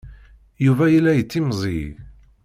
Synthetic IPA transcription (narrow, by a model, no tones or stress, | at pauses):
juvæjəlːæjət͡sːimzˤḭ